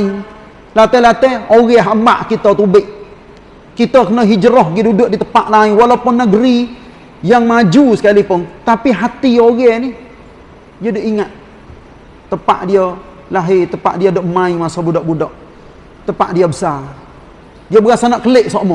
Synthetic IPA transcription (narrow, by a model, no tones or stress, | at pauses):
lat̪ɛlat̪ɛoɣɛɦambaʔkit̪ət̪ubɪʔ | kit̪əkənəɦid͡ʒəɾɔhɡidudʊʔdit̪əpaʔlaɪŋwalapʊnːəɡəɾi | jaŋmad͡ʒusə̥kalipʊnt̪apiɦat̪ioɣɛnɪh | dijədoʔiŋat̪̚ | t̪ːəpa̰ʔdiə | laɦit̪əpa̰ʔdiədoʔmaiŋmasobudɔʔbudɔʔ | t̪əpa̰ʔdiəbəsa | diəbəɣaʔsanaʔkəlɪʔsoʔmɔ